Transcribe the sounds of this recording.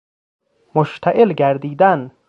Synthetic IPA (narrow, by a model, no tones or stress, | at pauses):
moʃt̪ʰæʔelɡæɾd̪iːd̪æn